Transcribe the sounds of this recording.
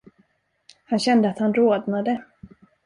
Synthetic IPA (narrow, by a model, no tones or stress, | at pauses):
hanɕɛnd̪əat̪hanɾoːd̪nad̪ə